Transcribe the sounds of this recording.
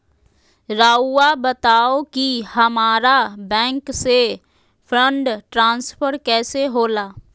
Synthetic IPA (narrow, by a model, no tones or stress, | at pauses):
ɾaːuabɐt̪aːokihɐmaːɾabɛ̃ːŋkse | pʰɾə̃ɳɖʈɾãːnspʰəɾkɛːseɦoːlaː